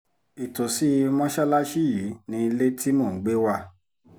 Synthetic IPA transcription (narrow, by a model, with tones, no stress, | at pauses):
i˨to˨si˨˦˧mɔ̃˦ʃa˦la˦ʃi˦ji˨˦nĩ˧˦i˧le˦ti˦mõ˦˨˦ɡ͡be˦wa˧